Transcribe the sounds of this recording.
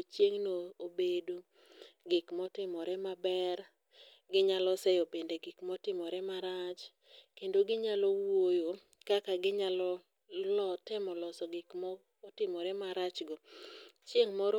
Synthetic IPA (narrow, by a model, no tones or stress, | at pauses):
t͡ʃjeŋnoobedo | ɡɪkmɔtɪmɔɾɛmabɛr | ɡɪɲalɔsɛjɔpendeɡɪkmɔtɪmɔɾɛmaɾat͡ʃ | kendoɡɪɲalɔwojo | kakaɡɪɲalɔ | lɔtɪmɔlɔsɔɡɪkmɔː | tɪmɔɾɛmaɾat͡ʃɡɔt͡ʃjeŋmɔɾɔ